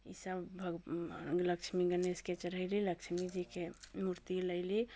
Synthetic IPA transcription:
ḭsəbbʱəɡləkt͡ʃʰmiɡənesket͡ʃəɾəɪliləkt͡ʃʰmid͡ʒikemuɾt̪iləɪli

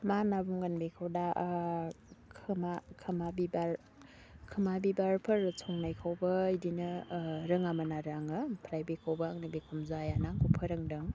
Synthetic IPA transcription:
manabumɡanbekʰawdaʔ | kʰɯmakʰɯmabibaɾ | kʰɯmabibaɾpʰɯɾsʰɔŋnajkʰawbɐidinɯɾɯŋamanaɾaŋɯpʰɾajbekʰawbaːŋnɯbekʰumzajanaŋkupʰɯɾɯŋdɯŋ

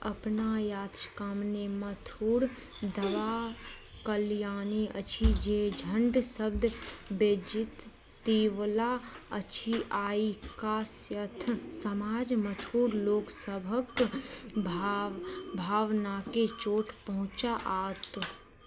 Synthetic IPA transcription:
əpnajaːt̪ɾkəmnemət̪ʰuːɽ | d̪əʋakəljaːniʔə̰t͡ʃʰid͡ʒed͡ʒʱə̃ɳɖsəb̚d̪ʱbeːd͡ʒɪt̪ː | iːʋlaət͡ʃʰiʔaːikasjət̪ʰsəmaːd͡ʒmət̪ʰuːɽloːksəbʱək | bʱ | bʱaːʋnaket͡ʃoːʈʰpəɦʊ̃t͡ʃaʔaːt̪

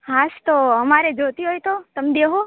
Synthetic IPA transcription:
ɦast̪oəmaɾed͡ʒot̪iɦojt̪ot̪əmd̪eɦo

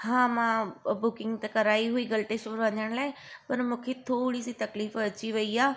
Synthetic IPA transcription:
ɦãːmãbʊkɪ̃ŋɡt̪ekɐɾaːiɦuiɡɐlʈeʃpɐɾʋɐɲəɽ̃laːɪ | pɐɾmũːkʰet̪ʰoːɽisit̪ɐkliːfɐt͡ɕiʋɐiaː

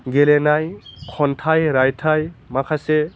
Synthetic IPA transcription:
ɡelenajkʰɔntʰajɾajtʰajmakʰase

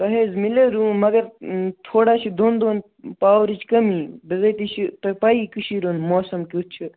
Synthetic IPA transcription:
pɐɦeːzmileɾũːmɐɡɐɾt̪ʰoːɽaːt͡ʃʰid̪oːnd̪oːn | paːʋɾit͡ʃkɐmibɐzɐt̪it͡ʃʰip̪ɐpaːikɨʃiːɾoːnmoːsɐmkit͡ʃʰɨ

